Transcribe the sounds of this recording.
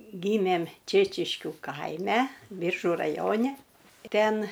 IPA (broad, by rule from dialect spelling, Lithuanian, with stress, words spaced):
ˈɡʲiːmʲeːm ˈt͡ʃʲeːt͡ʃʲɪʃʲkʲʊ ˈkɐɪmʲɛ ˈbʲiːrʒʊ rɐˈjoːnʲɪ ˈtʲɛn